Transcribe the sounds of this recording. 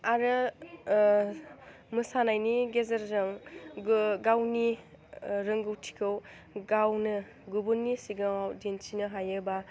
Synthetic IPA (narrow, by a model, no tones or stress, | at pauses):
aɾɯ | mɯsanajniɡezɐɾzɯŋ | ɡawni | ɾɯŋɡɯwtʰi̥kʰɯw | ɡawnɯ | ɡubunːisiɡɯŋawdensinɯɦajɯba